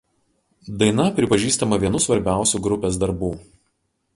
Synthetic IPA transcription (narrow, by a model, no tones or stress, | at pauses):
d̪ɐɪnɐpʲɾʲɪpɐʒʲiːst̪ɐmɐʋʲiɛnʊsʋɐɾʲbʲæˑʊsʲuːɡɾʊpʲeːsd̪ɐɾbuː